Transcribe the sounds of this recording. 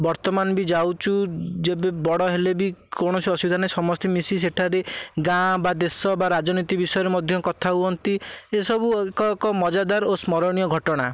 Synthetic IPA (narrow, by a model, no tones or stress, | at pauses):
bɔɾt̪ɔmanbid͡ʒawt͡ʃʰud͡ʒebebɔɽɔɦelebikɔɽ̃ɔsiɔsubid̪ʱanajsɔmɔst̪emisis̬eʈʰaɾeɡãbad̪esɔbaɾad͡ʒɔnit̪ibisɔjɔɾemɔd̪ʱjɔkɔt̪ʰaɦuɔnt̪iesɔbuekɔkɔmɔd͡ʒad̪aɾosmɔɾɔɽ̃ijɔɡʱɔʈɔɽ̃a